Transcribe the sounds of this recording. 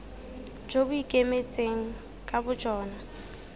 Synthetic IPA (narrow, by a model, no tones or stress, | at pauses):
d͡ʒobʊikʼemet͡sʼeŋ̩ | kʼabʊd͡ʒɔːna